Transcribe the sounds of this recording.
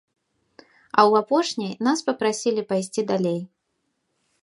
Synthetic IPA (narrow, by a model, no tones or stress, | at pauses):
ɐwapɔʂnʲijnaspɐpɾasʲilʲipajsʲt͡sʲid̪alʲej